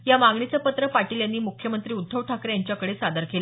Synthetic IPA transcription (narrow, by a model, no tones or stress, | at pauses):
jamaŋɡɳit͡səpət̪ɾəpaʈiːljanːiːmukʰjəmənt̪ɾiːud̪ʱːəʋʈʰakɾjaɲt͡ɕjakəɽesad̪əɾkela